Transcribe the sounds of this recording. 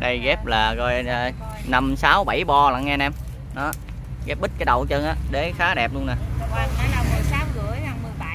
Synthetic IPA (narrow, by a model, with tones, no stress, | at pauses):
ɗə˧jɣɛ˦˥p̚laː˨˩ɣɔ˧jə˧ | na˧msaː˨˦wɓa˧˩jɓɔ˧la̰˨˧˨ŋɛː˧nɛ˧m | nɔ˨˦ | ɣɛ˦˥p̚ɓi˦˥t̚kaː˨˦ɗə̰˧˨˩wt͡ɕə˧nʔaː˨˦ɗe˨˩˦xaː˨˦ɗɛ˨˩p̚lu˧ənaː˨˩a˧a˨˧a˧wmɨ˨˩əjsaː˨˦wɣɨ̰˧˩əja˧mɨ˨˩ɓa˧˨˩